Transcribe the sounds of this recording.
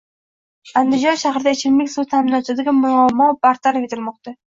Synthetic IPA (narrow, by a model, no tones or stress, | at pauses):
and̪ɪd͡ʒɒnʃahɾɪd̪aet͡ʃʰɪlmɪkʲsut̪ʰamɪnɒt̪ʰd̪aɡʲamʊnɒmɒbaɾt̪ʰaɾafet̪ʰɪlmɒqt̪a